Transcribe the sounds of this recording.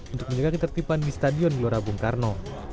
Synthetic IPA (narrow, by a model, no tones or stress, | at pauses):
unt̪ʊkməɲd͡ʒaɡakit̪ərt̪ipandist̪adiɔnɡloɾabuŋkarnɔ